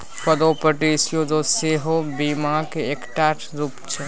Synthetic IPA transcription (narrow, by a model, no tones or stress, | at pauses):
pəd̪oːpəʈisjod̪oseɦobiːmakeeːkʈaːʈʰ | ɾuːpt͡ʃʰe